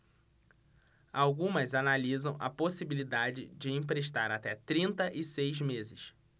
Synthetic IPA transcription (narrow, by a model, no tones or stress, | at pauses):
awɡũmɐzanalizɐ̃w̃ʔɐ̰posibilid̪ad͡ʒɪd͡ʒɪẽp̬ɾeʃt̪aɾat̪ɛt̪ɾĩnt̪ɐʔɪsejzmezɪʃ